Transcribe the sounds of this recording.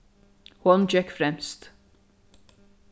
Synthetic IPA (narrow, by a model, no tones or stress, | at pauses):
hɔnd͡ʒɛkfɾɛmst̪